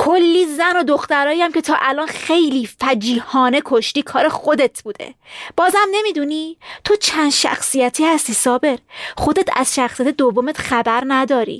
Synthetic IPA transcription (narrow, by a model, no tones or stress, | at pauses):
kʰolːiːzæno̞d̪oxt̪æɾɒːjæmcʲʰe̞t̪ʰɒːʔælɒːnχxe̞jliːfæd͡ʒiːhɒːne̞kʰo̞ʃt̪iːkʰɒːɾe̞xod̪e̞t̪ʰb̥uːd̪e̞̰b̥ɒːzhæmne̞miːd̪uniːt̪ʰo̞t͡ʃʰænd̪̥ʃæ̰xsijæt̪ʰiːhæst̪iːsɒːbe̞ɾχo̞d̪e̞t̪ʰæ̰z̥ʃæxsijæt̪ʰed̪ovːomet̪χæbæɾnæd̪ɒːɾḭː